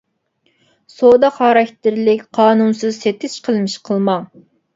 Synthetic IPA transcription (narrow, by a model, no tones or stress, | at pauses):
sod̪ɑχɑɾɑkʲt̪ɪɾlɪkʲqʰɑːnunsɨzset̪ɪʃqʰəlˠmɪʃqʰəlˠmɑŋ